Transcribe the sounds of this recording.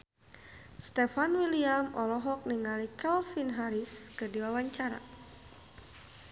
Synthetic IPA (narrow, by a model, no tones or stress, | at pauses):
st̪ɛfanwiliamɔlɔɦɔk̚niŋalikɛlfinɦaɾiskədiwawaɲt͡ʃaɾa̰